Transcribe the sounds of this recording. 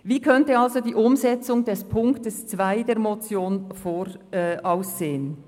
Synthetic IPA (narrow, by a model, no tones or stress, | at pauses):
viːkʰœntəɑlzodiːʔʊmzɛt͡sʊŋdɛspʰʊŋktəst͡sv̥aɪdeːɾmot͡sjoːnfoːɾ | ʔaʊsːeːən